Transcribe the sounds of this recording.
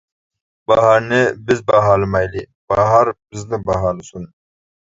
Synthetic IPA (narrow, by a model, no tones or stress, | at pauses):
b̥aɦaɾnebizbaːɦaːlmajli | b̥aːɦaɾbiznəbaɦaːlsun